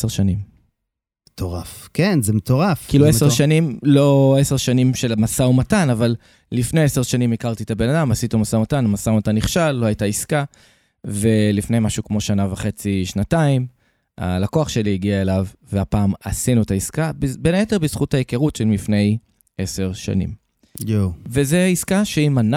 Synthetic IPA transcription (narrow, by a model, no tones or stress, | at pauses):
eseʁʃanim | metoʁafkenzemet̪oʁafkiilueseʁʃanimlo̞ese̞ʁʃanimʃe̞lmasaumatanaval | lifnejeseʁʃanimikaʁt̪iet̪abe̞nadamasitumasaumatanamasaumatanːiχʃalːo̞hajtaiska | ve̞lifne̞jmaʃukmo̞ʃanavaχe̞t͡siʃnataim | a̰lakoaχʃe̞liiɡiae̞lavveapaːmasinuetaiskabbenaeteʁbiz̥χuthajekeʁutʃelmifne̞j | ʔese̞ʁʃa̰nḭm | vezeiskaʃeiman